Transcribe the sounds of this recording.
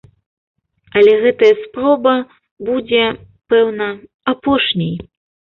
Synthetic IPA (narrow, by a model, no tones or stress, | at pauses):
ɐlʲɛɣɛt̪ɐjɐspɾɔbɐ | bud͡zʲɛ | pɛwnɐ | apɔʂnʲej